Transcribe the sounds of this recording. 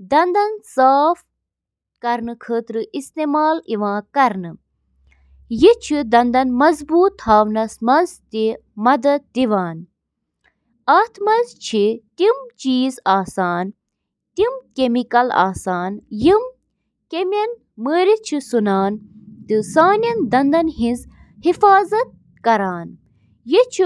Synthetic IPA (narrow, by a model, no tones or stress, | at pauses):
d̪ɐnd̪ɐnsaːf | kɐɾnɨkʰəːt̪ɾɨʔist̪eːmaːliʋãːkɐɾnɨ | jit͡ʃʰid̪ɐnd̪ɐnmɐzbuːt̪haːʋnɐsmɐzt̪i | mɐd̪ɐd̪̚d̪iʋaːn | ɐːt̪ʰmɐzt͡ʃʰit̪imt͡ʃiːzaːsaːn | t̪imkemikɐla̰ːsaːnjim | kemʲɐn | məːɾit͡ʃʰisunaːnt̪ɨsaːnʲɐnd̪ɐnd̪ɐnɦĩnz | hifaːzɐt̪̚ | kɐɾaːn | jit͡ʃʰ